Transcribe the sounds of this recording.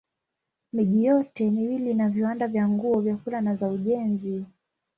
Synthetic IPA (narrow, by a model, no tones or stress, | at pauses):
miʄijɔtɛniwilinaviwandavjaŋɡuɔvjakulanazauʄɛnzi